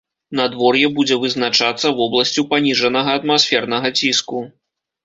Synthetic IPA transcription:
nɐd̪vɔrjɛbud͡zʲɛvɨznat͡ʂat̪sːɐvɔblˠɐsʲt͡sʲupanʲiʐɐnɐɣɐːt̪masʲfʲɛrnɐɣɐt͡sʲisku

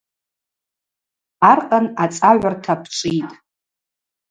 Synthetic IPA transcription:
arqʼanat͡sʼaʕʷartʰapʰt͡ʃʷʼitʼ

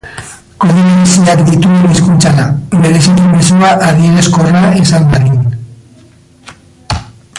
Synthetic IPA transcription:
ko̞ðinensiakd̪it̪ueniskunt͡saɾabe̞ɾe̞sikimesuaʔaðie̞ɾe̞sko̞raisambaɣin

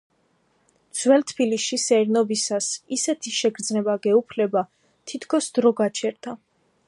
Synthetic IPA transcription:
d̪z̥wɛlt̪ʰbiliʃisɛɾnɔbisasisɛt̪ʰiʃɛɡɾd̪znɛbaɡɛupʰlɛba | t̪ʰit̪ʰkʰɔsd̪ɾɔɡat͡ʃʰɛɾd̪ʰa

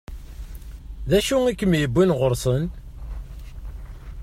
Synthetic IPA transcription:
ðæʃuikːəmjəbːinʁʊɾˤsˤən

